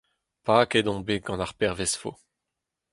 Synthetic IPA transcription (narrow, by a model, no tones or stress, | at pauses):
paːked̪ɔ̃beɡɑ̃naʁpɛʁvɛsfo̰